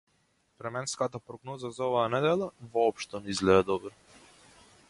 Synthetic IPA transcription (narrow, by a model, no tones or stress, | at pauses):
pɾɛmɛnskat̪apɾɔɡnɔzazaɔvaːanɛd̪ɛlˠavɔːpʃt̪ɔnɛizlɛd̪ɛd̪ɔbɾɔ